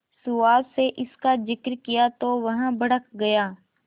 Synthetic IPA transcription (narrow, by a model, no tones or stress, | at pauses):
sʊaːdseʔɪskazɪkɾkɪjat̪oʋɐɦãbʱəɽəkɡɐjaː